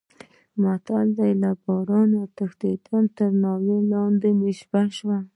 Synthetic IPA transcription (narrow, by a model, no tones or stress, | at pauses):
mat̪ald̪alabɑɾɑnot̪axd̪id̪ant̪əɾnɑwelɑnd̪emɪʃbaʃwa